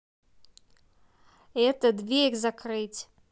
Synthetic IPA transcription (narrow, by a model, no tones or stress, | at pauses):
ɛt̪ɐd̪vʲeiɣzakrɨt͡sʲ